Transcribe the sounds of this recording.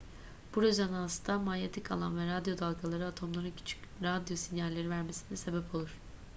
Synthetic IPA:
b̥uɾøzanast̪ʰamalʲet̪ʰikʰa̰lˠa̰nvɛɾad̪jo̞d̪alˠɡalˠaɾɯat̪ʰo̞mlˠaɾɯncʰy̥t͡ʃʰy̥c | ɾad̪jo̞sinjalʲːe̞ɾivæɾme̞sinɛse̞bɛpʰo̞lˠuɾ̥

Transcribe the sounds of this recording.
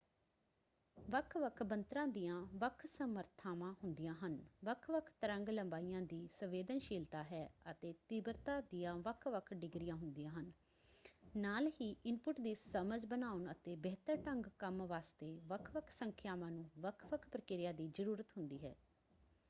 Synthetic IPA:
ʋəkʰʋəkʰbənt̪ɾãːd̪iːjãːʋəkʰsəməɾt̪ʰaːmãːɦʊnd̪ijãːɦənʋəkʰʋəkʰt̪əɾə̃ŋɡləmbaːijãːd̪iːsəʋeːd̪ənʃiːlt̪aːɦɛːət̪eːt̪iːbəɾt̪ãːd̪ijãːʋəkʰʋəkʰɖɪɡɾɪjãːɦʊnd̪ijãːɦən | naːlɦiːʔɪnpʊʈd̪iːsəməd͡ʒbənaːʊnət̪eːbɛːt̪əɾʈəŋɡkəmʋaːst̪eːʋəkʰʋəkʰsəŋkʰjaːmãːnũːʋəkʰʋəkʰpɾəkɪɾɪjãːd̪iːd͡ʒəɾuːɾət̪ɦʊnd̪iːɦɛ̰ː

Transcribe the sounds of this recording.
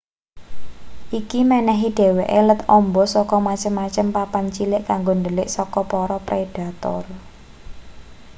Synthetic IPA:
ʔikimɛnɛɦiɖ̥e̤weʔelət̪ɔmbɔsɔkɔmat͡ʃəmːat͡ʃəmpapant͡ʃilɪʔkaŋɡond̪əlɪʔsɔkɔpɔɾɔpɾʔed̥a̤t̪ɔ̰r

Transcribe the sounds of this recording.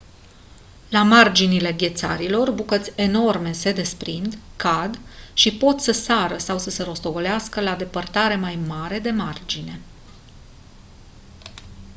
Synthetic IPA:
lamard͡ʒinile̞ɡʲe̞t̪sa̰ɾilo̞rbukət̪sʲeno̞rme̞se̞d̪e̞spɾind̪kad̪ʃipo̞t̪ʲsəsaɾəsawsəse̞ɾo̞st̪o̞ɡo̞leaskəlad̪e̞pərt̪aɾe̞majmaɾe̞d̪e̞mard͡ʒine̞

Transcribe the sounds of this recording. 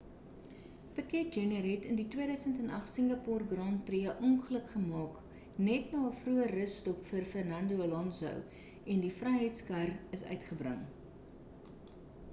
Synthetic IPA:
pəkɛt̚d͡ʒɛnərɦɛtənditwiəɾœɥsəntɛnɐχsəŋɡɐpɑːrɡrɑːntpriəʔɔnχələkχəmɑːk | nɛtnɑːəfruərəsːtɔpfərfərnɐndoolɑnsœ̰w | ɛndifrɐjɦəjtskɐrəsœ̰ɥtχəbrə̰ŋ

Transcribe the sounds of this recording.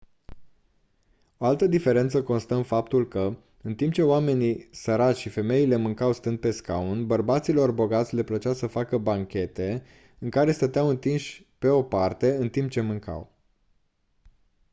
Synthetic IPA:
o̞alt̪əd̪ife̞ɾe̞nt̪səko̞nst̪əmfapt̪ulkə | ɨnt̪imp̚t͡ʃe̞oame̞nisəɾat̪ʲʃife̞me̞ile̞mɨŋkawst̪ɨnd̪̚pe̞ska̰unbərbat̪silo̞rbo̞ɡat̪sʲle̞plət͡ʃawsəfakəbaŋkʲe̞t̪e̞ | ɨŋkaɾe̞st̪ət̪eawɨnt̪inʃʲ | pe̞o̞part̪e̞ɨnt̪imp̚t͡ʃe̞mɨŋka̰w

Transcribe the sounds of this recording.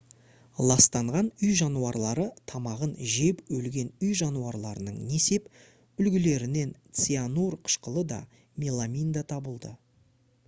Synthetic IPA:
lˠɑst̪ɑɴʁɑnʏjʒɑnuɑɾlˠɑɾət̪ʰɑmɑʁənʒe̞pɵlɡʲe̞nʏjʒɑnuɑɾlˠɑɾənəɴne̞se̞p | ʏlɡʲɪle̞ɾɪne̞nt̪sianurqʰə̥ʃqəlˠəd̪ɑ̰ | mʲelˠamʲijnd̪at̪ʰɑbəlˠd̪ə

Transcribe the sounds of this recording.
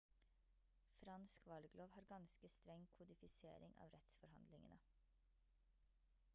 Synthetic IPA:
fɾɑnskʋɑlɡloːʋhɑːɾɡɑnskəst̪ɾɛŋkʰʊd̪ɪfɪsḛːɾɪŋʔɑ̰ːʋɾɛt̪sfɔɾhɑ̰nd̪lɪŋənə

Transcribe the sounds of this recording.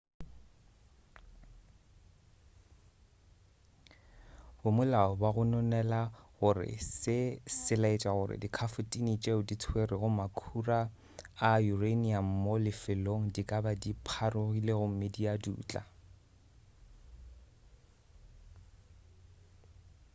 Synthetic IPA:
bʊmʊlaɔbaɣʊnɔnɛlaɣʊrɪ̰sɪsɪlaet͡ʃʼaɣʊrɪ̰dikʰafʊtʼinit͡ʃʼeʊdit͡sʰwerɪɣʊmakʰuraː | jureniam̩molɪfɪloŋ̩dikʼabadipʰarʊɣileɣʊmɪdiadṵːt͡ɬʼa̰

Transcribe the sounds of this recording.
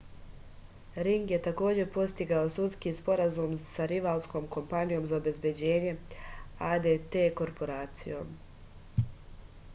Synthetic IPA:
ɾiŋɡje̞t̪ako̞ːd͡ʑe̞po̞tst̪iɡaosut̪skiːspo̞ɾazumsaɾiʋalˠsko̞ːmko̞mpanijo̞ːmzaobe̞zbje̞d͡ʑe̞ːɲe̞aːd̪et̪e̞ːko̞ɾpo̞ɾaːt̪sḭjo̞̰ːm

